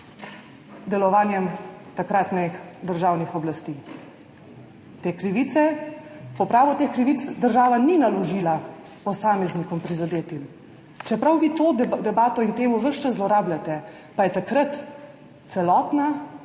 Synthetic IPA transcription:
d̪ɛlɔʋaːnjɛmt̪akɾaːt̪nɛxd̪əɾʒaːwnixɔblast̪iː | t̪eːkɾiʋiːt̪sɛpɔpɾaːʋɔt̪eːxkɾiʋit̪sd̪əɾʒaːʋaninalɔʒiːla | pɔsaːmɛznikɔmpɾizad̪eːt̪im | t͡ʃɛpɾawʋiːt̪od̪ɛbaːt̪ɔint̪eːmuʋəʃt͡ʃɛzlɔɾaːblʲjat̪ɛ | pajɛt̪akɾat̪ | sɛlɔːt̪na

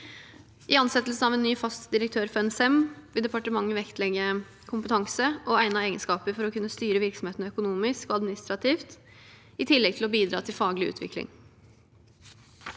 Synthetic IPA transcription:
ʔɪɑnsɛt̪ːl̩sn̩ɑʋɛnːyːfɑst̪d̪ɪɾəkt̪ʰøːɾfɔɾɛnsɛmʋɪld̪ɛpɑʈəmɑŋːəʋɛkt̪lɛɡːə | kʰʊmpət̪ʰɑŋsəʔɔæɪnəeːɡənskɑːpəɾfɔɾɔkʰʉnːəst̪yːɾəʋɪɾksɔm̩heːt̪nəœkʊnuːmɪskɔɑd̪mɪnɪst̪ɾɑt̪ʰiːft̪ | ɪt̪ʰɪlːɛɡ̚t̪ʰɪlɔbiːd̪ɾɑːt̪ʰɪlfɑːɡlɪʉ̰ːt̪ʰʋɪ̰klɪ̰ŋ

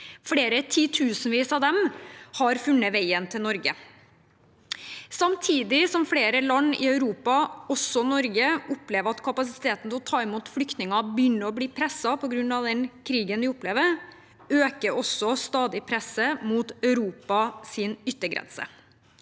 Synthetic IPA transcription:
fɽeːɾət̪ʰiːt̪ʰʉːsn̩ʋiːsɑʋd̪ɛmhɑɾfʉnːəʋæɪənt̪ʰɪlnɔɾɡə | sɑmt̪ʰiːd̪ɪsɔmfɽeːɾəlɑnːɪ̰œʉɾuːpɑɔsːɔnɔɾɡəʊpleːʋəɾɑt̪kʰɑpɑs̬ɪt̪ʰeːt̪n̩t̪ɛlɔt̪ʰɑːɛmuːt̪flʏkt̪nɪŋɑbjʏnːəɾɔbliːpʰɾɛsɑpʰɔɡɾʉnːɑʋd̪ɛnkʰɾiːɡənʋɪɔpleːʋəɾ | øːkəɾɔsːɔst̪ɑːd̪ɪpʰɾɛsəmuːt̪œʉɾuːpɑsɪnʏt̪ːəɡɾɛ̰nsə̰

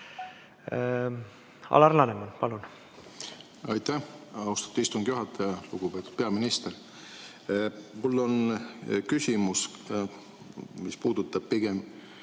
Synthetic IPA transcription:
ɑ̰lɑrlɑnemɑnpɑlun | ɑjt̪æhɑust̪ɑ̥t̪ːˑuist̪uŋɡ̥juɦɑt̪ːˑɑjɑluɡ̥upe̞ːt̪ːˑud̪̥peɑminist̪eɾ | mulːo̞nkysʲimus | mispuːd̪̥ut̪ːˑɑb̥̚piɡ̥em

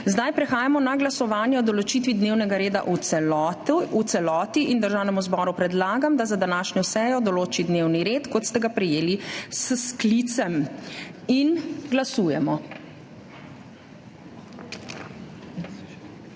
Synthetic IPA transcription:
zd̪ajpɾɛxaːjamɔnaɡlasɔʋaːnjɛɔd̪ɔlɔt͡ʃiːt̪ʋid̪neːwnɛɡaɾeːd̪a̰ʔuɛ | ut̪sɛlɔːt̪iʔind̪əɾʒawnɛmuzbɔɾupɾɛd̪laːɡamd̪azad̪anaːʃɲɔsɛːjɔd̪ɔloːt͡ʃid̪neːwniɾeːt̪kɔt̪st̪ɛɡapɾɛjeːlissklit̪sɛm | inɡlasuːjɛmɔ

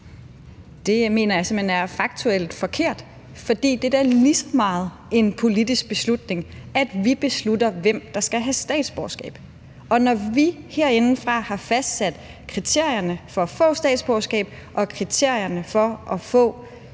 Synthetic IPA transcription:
d̥e̝me̝̰ːnɐjɑ̈se̝mhenæɐfɑ̈ɡ̥̚t͡sʰuel̰d̥fɒ̽kʰe̝ɐ̰d̥ | fɒ̽d̥ḭːd̥e̝dæɐlisɒ̥mɑ̈ːð̞̩ˠ | e̝npʰo̝lid̥isɡ̥̚b̥e̝slud̥ne̝ŋæd̥ʋib̥e̝sludɐʋem̰d̥ɑ̈sɡ̥æɦæsd̥ɛ̰ːd̥sb̥ɒʊsɡ̥ɛ̰ːb̥ | ɒ̽nɒʋiheɐ̰e̝nn̩fʁɑ̈hɑ̈fæsd̥sæd̥ | kʰʁit͡sʰe̝ɐ̰jɐnəfɒ̽fɔ̰̽ːsd̥ɛ̰ːd̥sb̥ɒʊsɡ̥ɛ̰ːb̥ | ʔɒ̽kʰʁit͡sʰe̝ɐ̰jɐnəfɒ̽ʔɒ̽fɔ̰̽ː

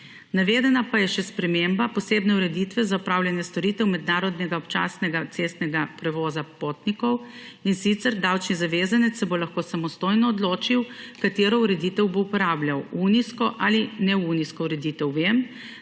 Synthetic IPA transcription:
naʋeːd̪ɛnapajɛʃɛspɾɛmembapɔseːbnɛuɾɛd̪it̪ʋɛzaupɾaːwljanjɛst̪ɔɾiːt̪ɛwmɛd̪naːɾɔd̪nɛɡaɔpt͡ʃa̰ːsnɛɡat̪seːst̪nɛɡapɾɛʋɔːzapot̪nikɔw | insit̪sɛɾd̪awt͡ʃnizaʋeːzanɛt̪sːɛbolaxkoːsamɔst̪oːjnɔːd̪loːt͡ʃiwkat̪eːɾɔuɾɛd̪iːt̪ɛwboupɔɾaːbljawuniskɔʔalinɛuniskɔuɾɛd̪iːt̪ɛwʋem

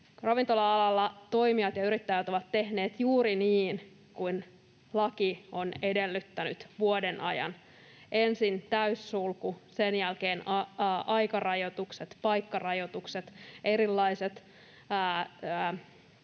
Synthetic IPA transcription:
rɑʋint̪o̞lɑɑlɑlːɑt̪o̞imiɑt̪jɑyɾit̪ːæjæt̪oʋɑt̪te̞hne̞ːt̪juːɾiniːn | kuin | lɑkio̞nedelːyt̪ːæny̰t̪ʋuodenʔɑ̰jɑ̰n | ʔensint̪æysːulkusenjælkeːnɑʔɑjkɑrɑjot̪ukset̪pɑjkːɑrɑjo̞t̪ukset̪ʔe̞ɾilːɑiset̪ː

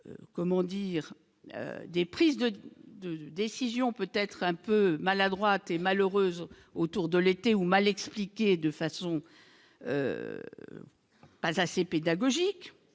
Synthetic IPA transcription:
ø̰kɔmɑ̃d̪iːʁ | ø̰d̪epχizd̪əd̪əd̪esizjɔ̃pøt̪ɛt̪χɛ̃pømalad̪ʁwat̪emaløʁøːz | ot̪uʁd̪əlet̪eumalɛksplikʲed̪əfasɔ̃ | ø̰ | pazaseped̪aɡɔʒik

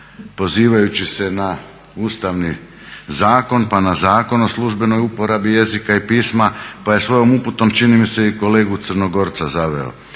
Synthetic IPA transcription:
po̞ziːʋajut͡ɕise̞na | uːst̪aʋni | zaːko̞npanazaːko̞no̞slˠuʒbe̞no̞jupo̞ɾabije̞zikaipiːsmapaje̞sʋo̞jo̞muput̪o̞mt͡ʃinimise̞iko̞le̞ːɡut̪srno̞ɡo̞ɾt̪sazaʋḛo̰

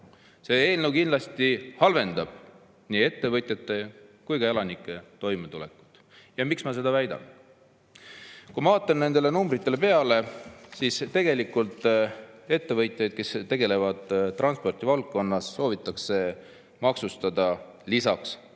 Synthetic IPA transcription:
se̞e̞ːlnəwkind̪lɑst̪ihɑlve̞nd̪ɑb̥ | niːe̞t̪ːe̞vɤt̪ʲˑjɑt̪ːˑe̞kujkɑelɑnikˑːe̞t̪o̞jmet̪ule̞ku̥t̪ːˑ | jɑmiksmɑs̬e̞d̪̥ɑvæjd̪̥ɑ̰n | kujmɑvɑːt̪ːˑɑnne̞nd̪̥e̞le̞numbrit̪ːˑele̞pe̞ɑle̞sist̪e̞ɡe̞likːult̪ˑe̞t̪ːe̞vɤjt̪ˑjɑjd̪̥̚ke̞st̪e̞ɡ̥e̞le̞vɑd̪̥rɑnspo̞rt̪ivɑlk̚kːo̞nːɑsːo̞ːvit̪ːˑɑkse̞ | mɑksust̪ɑd̪ɑ | lisɑks

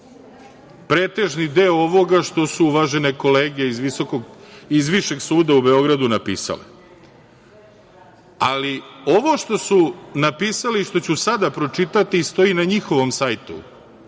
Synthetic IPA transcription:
pɾe̞ːt̪e̞ʒnid̪eːooʋo̞ɡaʃt̪o̞suuʋaʒe̞neko̞le̞ːɡeizʋisokoɡizʋiʃe̞ɡsuːd̪aube̞o̞ɡɾad̪unapḭːsa̰lḛ | alio̞ʋo̞ʃt̪o̞sunapiːsaliːʃt̪o̞t͡ɕusad̪apɾo̞t͡ʂit̪at̪iːst̪o̞inaɲixo̞ʋo̞msajt̪ṵ

